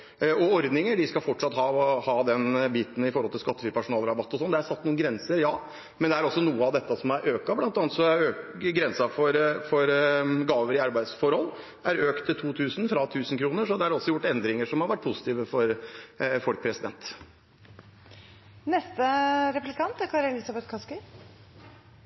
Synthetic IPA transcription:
ɔɔɾd̪nɪŋəɖɪskɑlfɔʈʂɑt̪ːhɑhɑd̪ɛnbiːt̪n̩ɪfɔɾɔlt̪ɪlskɑt̪ːəfyːɾpʰæʂʊnɑːlɾɑbɑt̪ːɔsɔnd̪ɛæɾsɑt̪ːnuːnɡɾɛnsəɾjɑː | mɛnd̪ɛæɾɔsːɔnuːəɑʋd̪ɛt̪ːɑsɔmæɾʔøːkɑblɑnt̪ɑːnt̪sɔøː | ɡɾɛnsɑfɔɾfɔɾɡɑːʋəɾɪɑɾbæɪd̪sfɔɾhɔlː | æɾøːkt̪ʰːɪlt̪ʰuːt̪ʰʉːsnfɾɑt̪ʰʉːsn̩kʰɾuːnəʂɔhɑd̪ɛɑɖɔsːɔjʊʈːɛnd̪ɾɪŋəʂɔmhɑɾʋæʈ̚ːpʰʊsɪ̥t̪iːʋəfɔɾ | fɔlk̚pʰɾɛsɪd̪ɛnt̪ | nɛst̪əɾɛplɪkʰɑnt̪æɾkʰɑɾɛlɪsɑbɛt̪kʰɑskɪ

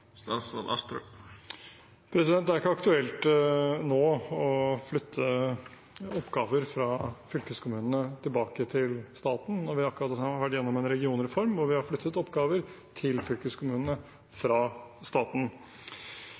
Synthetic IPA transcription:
st̪ɑsɑ̰nɑ̰st̪ɾə̰ | pʰɾɛsɪd̪ɛnd̪æɾɪkːəɑkt̪ʉɛlt̪noːɔflʏt̪ʰːə | ɔpːɡɑːʋəɾfɾɑfʏlkəskʰʊmʉːnənət̪ʰɪlbɑːkət̪ʰɪlst̪ɑːt̪n̩nɔɾʋɪɑkɾɑt̪ɑʋæʈːjɛnːɔmɛnɾɛɡɪuːnəɾɛfɔɾmʋɔɾʋɪhɑɾflʏt̪ːət̪ɔpːɡɑːʋəɾ | t̪ʰɪlfʏlkəskʰʊmʉːnənə | fɾɑst̪ɑːt̪n̩

